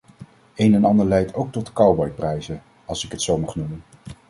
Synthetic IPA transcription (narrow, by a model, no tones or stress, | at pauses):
ejnɛnɑndəɹlɛjtʰowk̚tɔtkɑwbɔjprɛjzə | ɑlˠsɪkɦətsowmɑχnumən